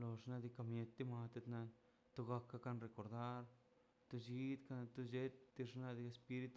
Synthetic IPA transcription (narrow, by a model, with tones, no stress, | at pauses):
lo˧ʐna˧d̪i˧ka˧mje˧t̪d̪i˦ma˧t̪e˧t̪na˧ | t̪o˧ɡa˧kːa˧ka˧nɾe˧ko˨ɾd̪a˦ɾ | t̪o˧d͡ʒi˦d̪ka˧t̪u˧d͡ʒe˦t̪d̪i˧ʐna˧d̪i˧e˧spi˧˦ɾi˧˦t̪u